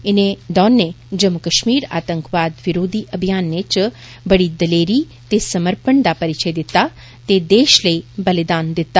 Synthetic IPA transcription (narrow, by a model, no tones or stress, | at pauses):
ɪned̪ɔːnːe | d͡ʒəmːukəʃmiːɾa̰ːt̪ə̃ŋkʋaːd̪ʋɪɾoːd̪ʱiʔəbʱijaːnːet͡ʃ | bəɽid̪əleːɾi | t̪esɐməɾpəɳd̪apəɾɪt͡ʃəjd̪ɪt̪ːa | t̪ed̪eːʃləibəlɪd̪aːnd̪ɪt̪ːa